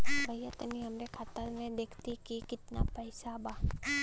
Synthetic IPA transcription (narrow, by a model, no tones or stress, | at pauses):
bʱɐjat̪əniɦɐmɾekʰaːt̪əɾmẽd̪eːkʰt̪ikikɪt̪na̰pəɪsabaː